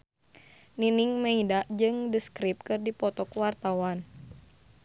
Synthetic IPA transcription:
niniŋmɛidad͡ʒɨŋdəskɾip̚kɨrdipɔt̪ɔkwart̪awan

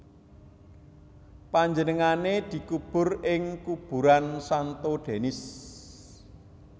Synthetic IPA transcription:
paɲd͡ʒənəŋaned̪̥i̤kub̥ʊ̤rɪŋkub̥ṳɾansant̪oɖ̥e̤nɪs

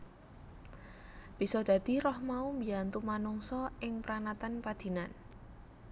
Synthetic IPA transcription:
b̥i̤sɔd̪̥ä̤d̪̥i̤rɔhmaumbiant̪umanɔŋsɔɪŋpɾanat̪anpad̪̥i̤nan

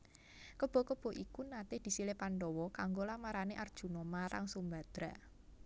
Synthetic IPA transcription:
kəb̥ɔ̤kəb̥ɔ̤ʔikunat̪ɪhd̪̥i̤silepanɖɔwɔkaŋɡolamaɾaneʔard̥ʒ̥ṳnɔmaɾa̰ŋsumbad̪̥ɾaʔ

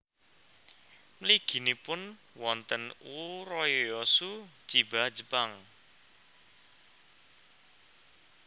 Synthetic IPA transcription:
mliɡ̥i̤nipʊn | wɔnt̪ənuɾɔjɔjɔsu̥t͡ʃibḁd͡ʒə̤paŋ

